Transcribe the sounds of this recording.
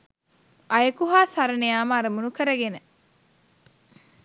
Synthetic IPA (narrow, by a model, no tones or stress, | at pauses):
ʔɐjɐkuɦaːsɐɾɐnejaːmaːɾɐmunukəɾəɡenə